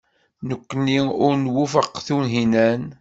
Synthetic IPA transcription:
nəkʷːənːiʊɾnwufəqːθunɦinæn

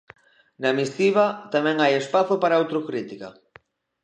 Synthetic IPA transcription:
namist̪iβat̪amɛ̃ŋajespaθopaɾaawt̪ɾokɾit̪ika

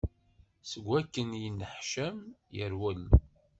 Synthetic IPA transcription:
səɡʷːækːənjənːəħʃæmjəɾwəl

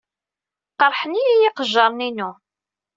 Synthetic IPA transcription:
qəɾˤħənijæjiqəʒːɑɾˤninu

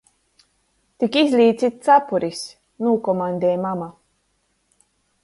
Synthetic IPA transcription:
t̪ikizʲlʲiːsit̪̚t͡sapuɾis | nuːkɔmand̪eːmama

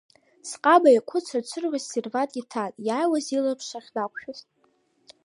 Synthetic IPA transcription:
sqʼabajakʷʰʊt͡sʷʰat͡ʃʷʰɨrʕʷassirvatʼʲitʰatʼjaːjwazilapʰʂʷaχʲdakʷʰʼʃᶣʊztʼ

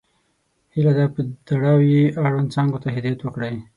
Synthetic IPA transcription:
hilad̪apəd̪aɽawjeʔaɽwant͡sɑŋɡot̪aɦɪd̪ɑjat̪wəkɽaj

